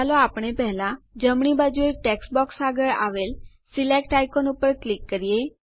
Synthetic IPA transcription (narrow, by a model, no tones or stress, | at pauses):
aloapɳ̃epɛɦlãd͡ʒəmɳibad͡ʒueʈeksbɔksaɡəɾa̰ʋel | silekʈajkonupəɾklikːəɾije